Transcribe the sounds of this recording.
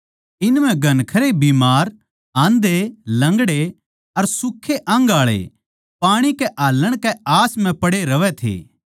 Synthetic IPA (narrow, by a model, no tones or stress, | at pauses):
ɪnm̤ɛ̃ɡʱɐnkʰɐɾebiːmaːɾ | ãːnd̪elɐ̃ŋɡɽe | ɐɾsʊkʰːeʔɐ̃ŋɡaːɭḛ | paːɽ̃ikɛʔaːləɽ̃kɛaːsm̤ɛ̃pɐɽeɾɐʋɛt̪ʰḛː